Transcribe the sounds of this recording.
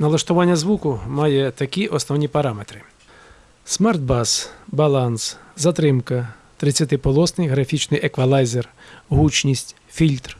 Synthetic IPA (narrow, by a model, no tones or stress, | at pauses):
nɐlˠɐʃt̪ʊʋɑnʲːɐzʋukʊmɑjɛt̪ɐkʲiʔɔsnɔʋnʲipɐɾɑmet̪ɾɪ | smard̪̚bɑsbɐlˠɑnszɐt̪ɾɪmkɐ | t̪ɾɪt͡sʲjɐt̪ɪpɔlˠɔsnɪjɦɾɐfʲit͡ʃnɪjʔekʋɐlˠɑjzerɦut͡ʃnʲisʲtʲ | fʲilʲt̪r